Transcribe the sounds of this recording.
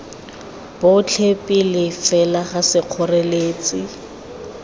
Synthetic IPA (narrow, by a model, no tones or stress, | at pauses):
b̥ʊt͡ɬʰepʼɪlɪfɛlaχasɪq͡χʰʊreleːt͡sʼɪ